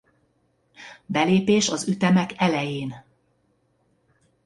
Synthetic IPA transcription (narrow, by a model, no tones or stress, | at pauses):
bɛleːpeːʃɒzyt̪ɛmɛkɛlɛjeːn